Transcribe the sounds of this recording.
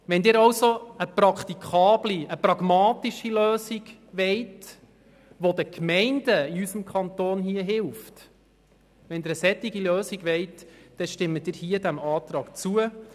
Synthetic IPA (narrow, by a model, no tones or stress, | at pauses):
ʋɛnd̪ɪːɾɑwsoəprɑkχt̪ikʰɑːbliəpɾɑɡmɑːt̪iʃiløːsiɡʋɛɪt | ʋod̪əkmɛɪndəiysəmkʰχɑnt̪oːnɦiəɦɪlft | ʋɛnd̪ɪːɾəsɛt̪ːɪɡiløːsiɡʋɛɪtd̥ɛʃtɪmːəd̥̪ɪːɾhiəd̪æmɑːt̪ɾɑːkt͡suə